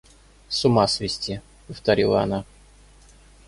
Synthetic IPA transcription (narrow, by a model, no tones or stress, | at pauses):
sʊmasvʲɪsʲtʲi | pəft̪ɐɾʲilˠəɐ̰na